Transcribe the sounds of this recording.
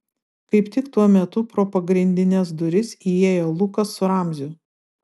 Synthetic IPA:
kɐɪpt̪ʲɪkt̪uɔmʲɛt̪ʊpɾoːpɐɡɾʲɪnʲd̪ʲɪnʲɛsd̪ʊɾʲɪsieːjoːlˠʊkɐsːʊɾɑˑmʲzʲʊ

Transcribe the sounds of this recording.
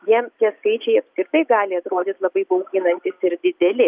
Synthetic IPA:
jiɛmt̪ʲiɛskɐɪt͡ʃʲɛɪɐpskʲɾʲɪɾt̪ɐɪɡɑːlʲɪɐt̪ɾoːd̪ʲɪt̪lˠɐbɐɪbɐːɡʲɪnɐnʲt̪ʲɪsɪɾd̪ʲɪd̪ʲɛlʲɪ

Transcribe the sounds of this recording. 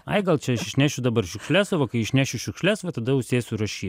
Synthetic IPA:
ɐ̰ɪɡɐlˠt͡ʃʲɛɐʃɪʃʲnʲæːʃʲʊd̪ɐbɐrʃʲʊkʃʲlʲæsɐʋɐkɐɪɪʃʲnʲæːʃʲʊʃʲʊkʃʲlʲɛsʋɐt̪ɐd̪ɐʊʃʲsʲeːsʲʊɾɐʃʲiːt̪

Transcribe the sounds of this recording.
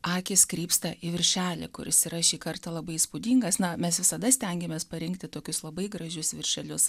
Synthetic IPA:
ɑːkʲɪskɾʲiːpst̪ɐʔiʋʲɪɾʲʃʲæːlʲɪ̰kʊ̰ɾʲɪ̰siːɾɐʃʲiːkɐrt̪ɐlˠɐbɐɪspʊd̪ʲiːŋɡɐsnɐmʲɛsʋʲɪsɐd̪ɐsʲt̪ʲɛŋʲɡʲɛmʲeːspɐɾʲɪŋkt̪ʲɪt̪oːkʲʊslˠɐbɐɪɡɾɐʒʲʊsʋʲɪrʲʃʲɛlʲʊs

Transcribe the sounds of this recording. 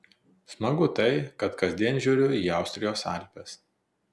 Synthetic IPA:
smɐɡʊt̪ɐɪkɐt̪kɐzʲd̪ʲiɛnʒʲuːɾʲʊiːɑˑʊsʲt̪ʲɾʲɪjoːsɐ̰ˑlʲpʲɛs

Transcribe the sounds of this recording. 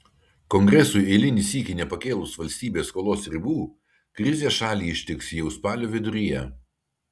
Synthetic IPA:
kɔŋɡɾʲɛsʊɪɛɪlʲɪnʲisʲiːkʲɪnʲɛpɐkʲeːlˠʊsʋɐlʲsʲt̪ʲiːbʲeːskoːlˠoːsɾʲɪbuː | kɾʲɪzʲeːsʃɑːlʲiːɪʃʲt̪ʲɪksjɛʊspɑːlʲoːʋʲɪd̪ʊɾʲijɛ

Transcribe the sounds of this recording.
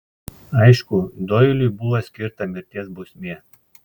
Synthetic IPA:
ɐɪʃkʊd̪oːjɪlʲʊjbʊʋɐsʲkʲɪɾt̪ɐmʲɪɾʲt̪ʲiɛsbʊsʲmʲeː

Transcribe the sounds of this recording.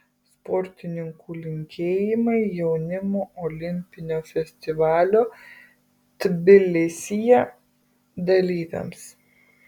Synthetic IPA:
spɔɾʲt̪ʲɪnʲɪŋkulʲɪŋʲkʲeːjɪmɐɪjɛʊnʲɪmoːʔɔlʲɪmʲpʲɪnʲoːfʲɛsʲt̪ʲɪʋɑːlʲoː | t̪bʲɪlʲɪsʲijɛ | d̪ɐlʲiːt̪ʲɐ̰ms

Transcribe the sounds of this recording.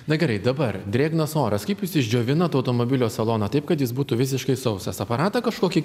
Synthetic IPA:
nɐɡʲɛɾɐɪd̪ɐbɐɾd̪ʲɾʲeːɡnɐsoːɾɐskɐɪpjɪsɪʒʲd͡ʒʲoːʋʲɪnɐt̪ɐʊt̪oːmoːbʲɪlʲoːsɐlˠoːnɐt̪ɐɪp̚kɐt̪jɪsbuːt̪uːʋʲɪsʲɪʃkɐɪsɐʊsɐsɐpɐɾɑːt̪ɐkɐʃkoːkʲi

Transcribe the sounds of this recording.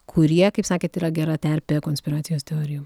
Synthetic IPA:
kʰʊɾʲiɛkɐɪpsɑːkʲeːt̪iːɾɐɡʲɛɾɐt̪ʲɛɾʲpʲɛkoːnʲsʲpʲɪɾɑːt̪sʲɪjoːst̪ʲɛoːɾʲɪjoː

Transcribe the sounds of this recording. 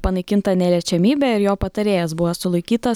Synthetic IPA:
pɐnɐɪkʲɪnt̪ɐnʲɛlʲɛt͡ʃʲɛmʲiːbʲɛɪɾjoːpɐt̪ɐɾʲeːjɛsbʊʋosʊlˠɐɪkʲiːt̪ɐ

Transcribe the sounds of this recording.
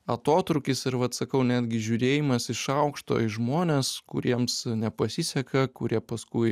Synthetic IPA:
ɐt̪oːt̪ɾʊkʲɪsɪɾʋɐt̪sɐkɐʊnʲæːd̪ʲɡʲɪʒʲuːɾʲeːjɪmɐsɪʃɐʊkʃt̪o̰ːɪʒmoːnʲeːskʊ̰ɾʲiɛmsnʲɛpɐsʲisʲɛkɐkʊɾʲiɛpɐskʊɪ

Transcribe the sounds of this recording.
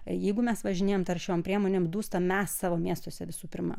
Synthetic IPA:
jɛɪɡʊmʲɛsʋɐʒʲɪnʲeːjoːmt̪ɐrʃʲɛompʲɾʲiɛmoːnʲemd̪uːst̪ɐmʲɛssɑːʋoːmʲiɛst̪oːsʲɛʋʲɪsuːpʲɪrmɐ̰

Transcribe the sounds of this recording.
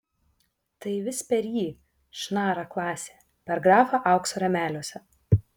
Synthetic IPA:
t̪ɐɪʋʲɪspʲɛɾjiː | ʃnɑːɾɑklˠɑːsʲeː | pʲɛɾɡɾɑːfɑʔɑˑʊksoːɾʲɛmʲæːlʲoɔsʲɛ

